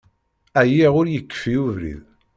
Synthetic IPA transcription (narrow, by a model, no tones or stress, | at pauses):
æjiʁʊɾjəkːfiuvɾḭð